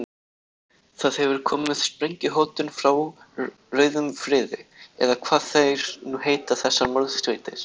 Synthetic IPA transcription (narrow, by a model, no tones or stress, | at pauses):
θaðhɛvʏɾ̥kʰɔːmɪnɛðspɾejɲcɪɦoːwt̪ʏnfɾaw | rœːɥðʏmfɾɪːðɪɛ̰ðakʰv̥aːðθejɾ̥nuheːjt̪aθɛsːaɾmɔɾðst̪vejt̪ɪɾ̥